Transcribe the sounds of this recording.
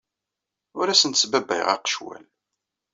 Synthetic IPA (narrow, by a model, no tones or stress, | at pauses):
ʊɾæsənt̪sbæbæ̰jʁɑ̰qə̥ʃwæ̰l